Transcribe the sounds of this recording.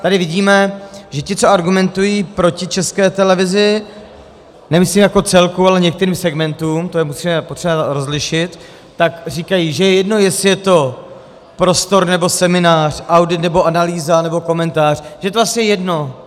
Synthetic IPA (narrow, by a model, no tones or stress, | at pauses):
t̪adɪvɪɟiːmɛʒɛcɪt͡so̞aɾɡumɛnt̪ujiːpɾo̞cɪt͡ʃɛskɛːt̪ɛlɛvɪzɪ | nɛmɪsliːmjako̞t͡sɛlkualɛɲɛk̚t̪ɛɾiːmsɛɡmɛnt̪uːmt̪o̞jɛmusiːmɛpot̪r̥ɛbaɾo̞zlɪʃɪt̪ː | akriːkajiʒɛjɛjɛdno̞jɛsɪjɛt̪o̞ | pɾo̞st̪o̞ɾnɛbo̞sɛmɪnaːr̝̥ʔawdɪt̪nɛbo̞ʔanaliːzanɛbo̞ko̞mɛnt̪aːr̝̥ʒɛjɛt̪ovasɛjɛjɛdno̞